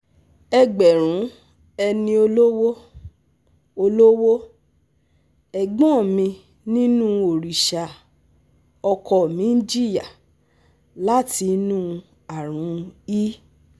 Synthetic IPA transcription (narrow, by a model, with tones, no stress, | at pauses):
ɛ˧ɡ͡bɛ˨ɾ̃ũ˨˦ | ɛ˧nĩ˧o˧lo˦wo˦ | o˧lo˦wo˦ | ɛ˨ɡ͡bɔ̃˦˨mĩ˧ | nĩ˦nũ˦o˨ɾi˨ʃa˨ | ɔ˧kɔ˨mĩ˨˦d͡ʒi˦ja˨ | la˦ti˧˦nũ˦ | a˨ɾ̃ũ˨˦i˦